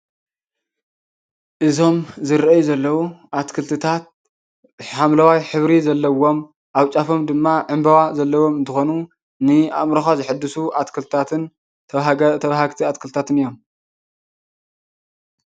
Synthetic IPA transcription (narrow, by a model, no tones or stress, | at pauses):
ʔɨzo̞mzɨɾjuzɐlːɐwuʔat̪kʰɨlt̪ʰɨt̪ʰat̪̚ | ħamlawajħɨβɾizɐlːɐwo̞m | ʔawt͡ʃʼafo̞md̪ɨmːaʕɨmbɐwazɐlːɐwo̞mɨnt̪ʰɨxonu | nɨa̰mɾɐxazɨħɨd̪ːɨsuʔat̪kʰɨlt̪ɨt̪ʰat̪ʰɨnʰ | t̪ʰɐβahaɡt̪ʰiat̪kʰɨlt̪ʰat̪ɨnɨjːo̞m